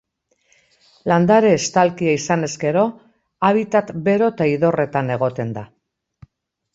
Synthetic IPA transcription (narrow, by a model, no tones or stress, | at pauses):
land̪aɾe̞ːst̪alkiaisane̞zke̞ɾo̞ | aβit̪at̪be̞ɾo̞t̪aiðo̞re̞t̪ane̞ɣ̞o̞t̪e̞nd̪a